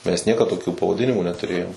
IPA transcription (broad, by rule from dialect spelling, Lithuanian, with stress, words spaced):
mʲɛs ˈnʲiɛkɐt toːˈkʲuː pɐʋɐˈdʲɪnʲɪmuː nʲɛtʊˈrʲeːjoːm